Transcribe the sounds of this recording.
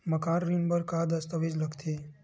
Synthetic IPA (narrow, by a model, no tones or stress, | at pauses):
məkaɾɾinbəɾkad̪əst̪əʋid͡ʒləkt̪ʰi